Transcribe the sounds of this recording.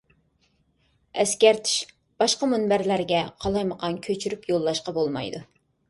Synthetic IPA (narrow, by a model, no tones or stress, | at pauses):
ɛskʲɛɾt̪ʰi̥ʃ | b̥ɑʃqɑmunbæɾlæɾɡʲɛqʰɑlˠɑjməqʰɑnkʲʰøt͡ʃʰyɾypjolˠːɑʃqɑbolˠmɑ̰jd̪u